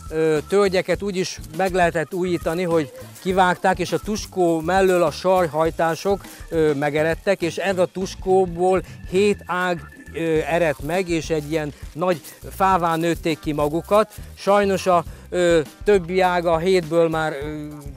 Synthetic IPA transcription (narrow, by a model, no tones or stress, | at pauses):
øt̪ølɟɛkɛt̪uːɟiʃmɛɡlɛɦɛt̪ɛt̪ːuːjiːt̪ɒniɦo̞ɟkivaːkt̪aːkeːʃɒt̪uʃkoːmɛlːøːlɒʃɒrjɦɒjt̪aːʃo̞kːmɛɡɛɾɛt̪ːɛkeːʃɛrɒt̪uʃkoːboːlheːt̪aːɡ | ɛɾɛt̪mɛɡeːʃɛɟːijɛnːɒɟ | faːvaːnøːt̪ːeːkːimɒɡukɒt̪ʃɒjno̞ʃɒ | t̪øbːiaːɡɒɦeːd̪bøːlmaːr